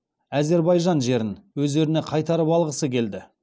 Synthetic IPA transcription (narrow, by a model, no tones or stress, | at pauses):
æze̞ɾbɑjʒɑnʒe̞ɾɪnwɵzd̪e̞ɾɪne̞qʰɑjt̪ɑɾəpɑlˠʁəsəkʲʰe̞ld̪ɪ